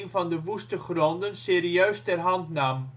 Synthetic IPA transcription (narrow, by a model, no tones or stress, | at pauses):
ŋvɑndəʋustəχrɔndənseːriœɥstɛrɦɑntnaːm